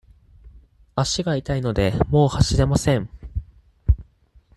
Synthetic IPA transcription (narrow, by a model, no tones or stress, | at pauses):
aɕiɡait̪aino̞d̪e̞mo̞ːhaɕid̪e̞masẽ̞ɴ